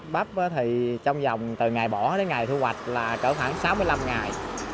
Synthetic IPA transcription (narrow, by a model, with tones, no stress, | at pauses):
ɓa˦˥p̚ə˨˦t̪ʰi˨˩t͡ɕɔ˧wŋ͡mzɔ˨˩wŋ͡mt̪ɨ˨˩ŋaː˨˩jɓɔ˧˩˦ɗe˨˦ŋa˨˩jt̪ʰu˧hwa˨˩t̚laː˨˩kəː˧˩xwaː˧˩ŋsaː˨˦mɨ˧əjla˧mŋa˨˩j